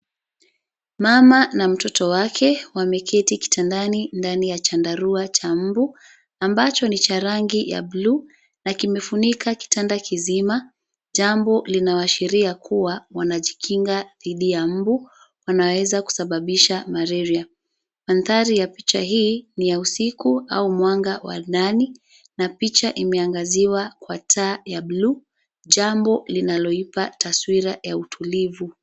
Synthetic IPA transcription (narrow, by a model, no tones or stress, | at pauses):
mamanam̩tɔtɔwakʰɛwamɛkʰɛtiki̥tʰandanindanijat͡ʃandaɾuat͡ʃam̩bu | ambat͡ʃɔnit͡ʃaɾaŋɡija̰bluː | nakimɛfunikʰaki̥tandakʰizima | ʄambɔlinawaʃiɾiakʰuwawanaʄikʰiŋɡaðiɗijam̩bu | wanawɛzaku̥saɓaɓiʃamaɾɛɾia | manθaɾijapit͡ʃaɦiːnijausikua̰umwaŋɡawa̰ɗani | napit͡ʃaʔimɛaŋɡaziwakwatʰaːjablu | ʄambɔlinalɔipatʰaswiɾajautʰulivu